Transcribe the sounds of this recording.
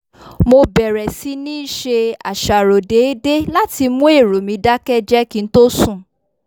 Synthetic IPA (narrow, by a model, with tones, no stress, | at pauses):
mo˧bɛ˨ɾɛ˨si˨˦nĩ˦ʃe˧a̰˨ʃa˨ɾo˨de˨˦de˦la˦ti˧mũ˦e˦˨ɾo˨mĩ˧da˦kɛ˦d͡ʒɛ˦kĩ˦n̩˦to˦sũ˦˨